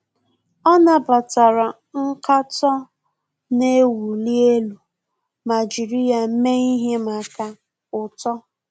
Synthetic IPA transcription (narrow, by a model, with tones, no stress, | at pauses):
ɔ˦na˦pa˨ta˨ɾa˨ | ŋ̩˦ka˦tɔ˦ | ne˦wu˨li˦e˦lu˨ | ma˨d͡ʒi˨ɾi˦a˨m̩˦me˦i˦ɦe˦ma˨ka˦ | ʊ˨tɔ˦